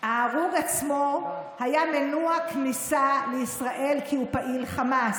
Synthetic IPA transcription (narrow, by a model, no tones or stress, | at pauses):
aːʁuɡat͡smo | hajamenuaknisaleisʁaʔe̞lkʰiupaʔilχamas